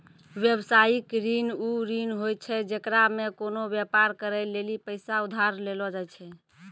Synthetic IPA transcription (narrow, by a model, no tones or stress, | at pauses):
ʋjəbsajikɾinuɾinɦojt͡ʃʰɛd͡ʒekɾamekonobjɛpaɾkəɾɛlelipəɪsaud̪ʱaɾlelɔd͡ʒajt͡ʃʰɛ